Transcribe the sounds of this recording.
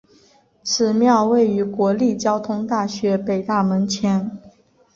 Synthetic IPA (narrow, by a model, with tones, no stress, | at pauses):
ʈ͡ʂ̩ʰ˨˧˩mjɑ˥˧ʊwe˥˩ɪy˧˥kwɔ˧˥li˥˩t͡ɕjɑ˥ʊt̪ʰʊ˥ŋt̪a˥˩ɕɥɛ˧˥pe˨˩ɪt̪a˥˩mə˧˥nt͡ɕʰɛ˧˥n